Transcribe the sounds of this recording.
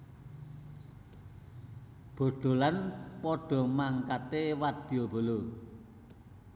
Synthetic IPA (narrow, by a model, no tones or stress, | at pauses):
b̥o̤ɖ̪̥o̤lanpɔɖ̥ɔ̤maŋkat̪ewad̪̥iob̥o̤lo